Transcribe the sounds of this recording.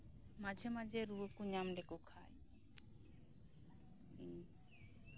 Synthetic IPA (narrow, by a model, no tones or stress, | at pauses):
mad͡ʒʱemad͡ʒʱeɾuəkuɲamɖekokʰa̰j | i